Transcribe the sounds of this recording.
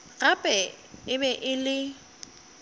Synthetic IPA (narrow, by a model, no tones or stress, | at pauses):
ɣapʼɛ | ɪbɛʔɪlɪ